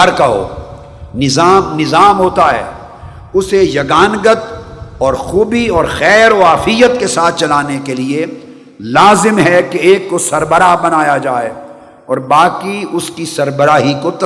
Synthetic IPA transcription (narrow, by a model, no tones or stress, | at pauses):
ɐɾkɐɦo̰ː | nɪzaːmnɪzaːmɦoːt̪aɦɛ̰ː | ʊsejɐɡaːnɡət̪ | ɔːɾxuːbiɔːɾxɛːɾoaːfijət̪kesaːt̪̚ʰt͡ʃɐlaːnekelie | laːzɪmɦɛkeeːkːosɐɾbəɾabɐnaːjad͡ʒaːe | ɔːɾbaːkiʊskisɐɾbəɾaːɦikot̪